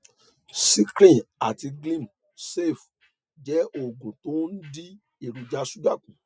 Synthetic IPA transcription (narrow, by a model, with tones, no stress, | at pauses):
si˦kɾĩ˦˨a˨ti˧ɡlĩ˦˨m | se˦˨f | d͡ʒɛ˨˦o˨ɡũ˨to˨˦n̩˦di˦ | e˨ɾu˧d͡ʒa˧˦su˦ɡa˦˨kũ˨